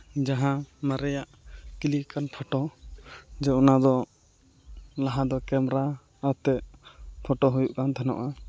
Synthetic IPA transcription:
d͡ʒaɦãmaɾɛjaʔkilikanpʰɔʈɔ | d͡ʒɛɔnad̪ɔ | laɦãd̪ɔkɛmɾa | at̪ɛʔpʰɔʈɔɦujuʔkant̪ʰanɔ̰ʔa

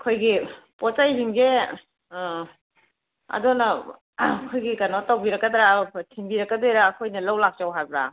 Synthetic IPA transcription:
kʰojɡipɔt͡ʃajɦiŋɡe | ɐ̰dɔnɐ | kʰojɡikanotawbiɾɐkːɐdɾatʰiŋbiɾɐkːɐdojɾaːkʰojnɐlawlak̚t͡ʃawɦajbɾa̰

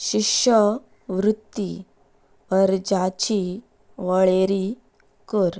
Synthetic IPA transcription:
ɕikɕə | ʋɾut̪ːi | əɾd͡ʑat͡ɕi | ʋəɭeɾi | kəɾ

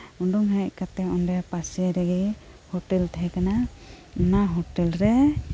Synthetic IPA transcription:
unɖuŋɦac̚kat̪ɛɔndɛpasiaɾɛɡi | hɔʈɛlt̪ʰɦɛkana | unaɦɔʈɛlɾɛ

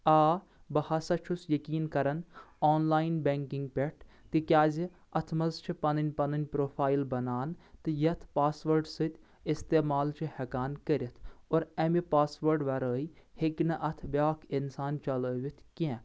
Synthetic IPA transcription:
aː | bɐhasɐt͡ʃʰusjɐkiːnkɐɾɐnoːnlaːinbeːŋkiŋɡ̚pʲeʈʰt̪ikjaːzi | ɐt̪ʰmɐzt͡ʃʰipɐnɐnʲpɐnɐnʲpɾoːpʰaːilbɐnaːnt̪ɨjɐt̪ʰpaːsʋɐɾɖsɨt̪ʲ | ɪst̪eːmaːlt͡ʃʰihɐkaːnkɐɾʲit̪ʰoːɾɐmipaːsʋɐɾɖʋɐɾəːiheknɐʔɐt̪ʰbʲaːkʰɪnsaːnt͡ʃɐləːʋit̪ʰkɛ̃

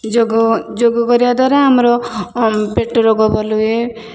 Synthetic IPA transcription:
d͡ʒoɡd͡ʒoɡɔɡɔɾiad̪waɾaɦamɾɔ | peʈːɔɾɔɡɔbɔlue

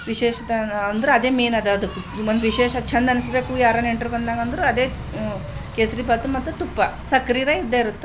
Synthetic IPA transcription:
ʋiʃeːʃɐt̪ɐnd̪ɐɾeɐd̪e̞ːmeːnɐd̪ɐɐd̪ukːund̪uʋiʃeːʃɐt͡ʃʰɐnd̪ɐnisbe̞ːkujaːɾɐneɳʈɐɾbɐnd̪aːŋɡɐnd̪ɐɾuɐd̪e̞ː | keːsɐɾibɐːt̪umɐt̪ːut̪upːɐsɐkɾiːɾɐid̪ːeiɾut̪ːe

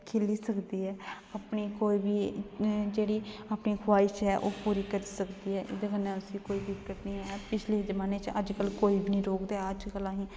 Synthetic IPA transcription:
kʰeːliːsəkd̪iːɛː | apniːkoːiːbiːd͡ʒeːɽiːapniːkʰʋaːɪt͡ʃɦɛːʔoːpuːɾiːkəɾisəkd̪iːɦɛːʔɪ̰d̪eːkənːẽːʊsiːkoːiːbɪkːəʈnĩːɦɛːpɪt͡ʃʰleːzəmaːneːt͡ʃə̰d͡ʒkəlkoːiːbʱinĩːɾoːkd̪ɛəd͡ʒkəlãːɦĩː

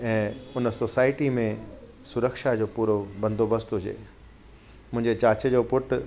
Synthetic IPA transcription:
ɛ̃ːʊnəsosaːɪʈimẽ | sʊɾəkʃad͡ʑoːpuːɾobɐ̃nd̪ʱobəst̪ɦʊd͡ʑḛː | mʊ̃ɦɪ̃ɲd͡ʑet͡ɕaːt͡ɕəd͡ʑoːpʊʈʊ

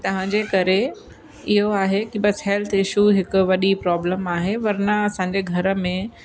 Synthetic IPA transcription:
t̪ɐʋ̤ãɲd͡ʑeːkɐɾe | ɪɦoaːɦekibɐsɦɛːlt̪ʰɪʃuɦɪkʊ̆ʋɐɗipɾɔːbləmaːɦeʋɐɾnaɐsãːɲd͡ʑeɡʱɐɾə̆mẽ

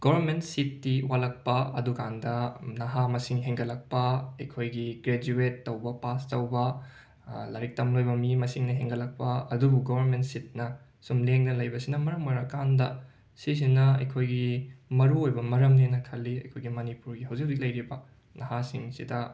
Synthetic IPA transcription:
ɡ̥obʱɐɾmentsitːiwalɐk̚pɐɐdukandɐnɐɦamɐsiŋɦeŋɡɐlɐk̚pɐɐjkʰojɡiɡɾed͡ʒuetːɐwbɐpastɐwbɐ | lɐɾik̚tɐmlojbɐmimɐsiŋnɐɦeŋɡɐlɐk̚pɐɐdubuɡobʱɐɾmentsit̚nɐ | sumleŋnɐlɐjbɐsinɐmɐɾɐmmɐɾɐkandɐ̰ | sis̬inɐɐ̰jkʰojɡimɐɾuojbɐmɐɾɐmninɐkʰɐlːiɐ̰jkʰojɡimɐnipuɾɡiɦɐwzikzik̚lɐjɾibɐ | nɐɦasiŋsidɐ

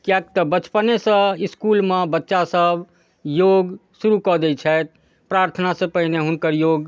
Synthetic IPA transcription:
kjakt̪ɔbət͡ʃpənesə̃iskulmebətːʃasəb | joɡsuɾukɔd̪ɛt͡ʃʰɛt̪̚ | pɾaɾt̪ʰənasẽpəɦineɦunkəɾjoɡ

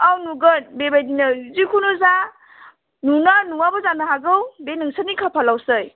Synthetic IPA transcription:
awnuɡənbebajdinazikʰunɔza | nunanuwabɔzanaɦaɡɯwbenɯŋsanikʰapʰalawsɯj

